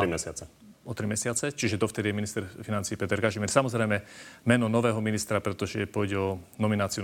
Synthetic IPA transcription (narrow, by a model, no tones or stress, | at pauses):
ɾimɛsɪat͡sɛ | ɔt̪ɾimɛsɪat͡sɛt͡ʃiʒɛd̪ɔft̪ɛd̪ijɛminist̪ɛɾfinant͡siːpɛt̪ɛɾkaʒimɛɾsamɔzɾɛjmɛmɛnɔnɔʋɛːɦɔminist̪ɾapɾɛt̪ɔʒɛpʊɔjɟɛɔnɔminaːt͡si